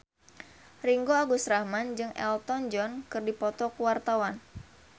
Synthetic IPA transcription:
riŋɡoaɡusɾahmand͡ʒɨŋɛ̰lt̪ɔnd͡ʒɔnkɨrdipɔt̪ɔkuwart̪awan

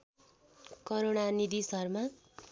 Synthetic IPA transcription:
kʌɾoɽanid̪isʌrma

